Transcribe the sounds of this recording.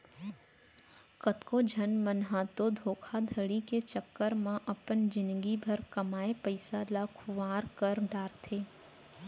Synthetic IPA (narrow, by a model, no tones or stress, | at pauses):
kət̪kod͡ʒʱənmənɦat̪od̪ʱoːkʰad̪ʱəɽiket͡ʃəkːəɾmãʔɐpənd͡ʒɪ̃nɡibʱəɾkəmaːepəɪsalakʰʊʋaːɾkəɾɖaːɾt̪ʰeː